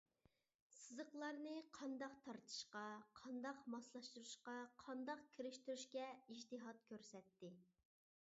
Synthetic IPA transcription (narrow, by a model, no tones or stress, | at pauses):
sɨzəqlˠɑɾnɨqʰɑnd̪ɑqt̪ʰɑɾt̪ʰɨ̥ʃqɑqʰɑnd̪ɑqmɑslˠɑʃt̪uɾuʃqɑqʰɑnd̪ɑqkʲʰiɾɪʃt̪yɾyʃkʲɛid͡ʒt̪ɨɦɑt̪̚kʲʰøɾsɛt̪ːɪ